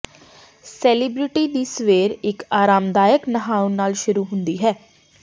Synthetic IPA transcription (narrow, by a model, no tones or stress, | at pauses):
sɛːlibɾɪʈiːd̪iːsʋeːɾɪkaːɾaːmd̪aːjəknəɦaːʊ̃naːlʃʊɾuːɦʊ̃nd̪iːɦɛː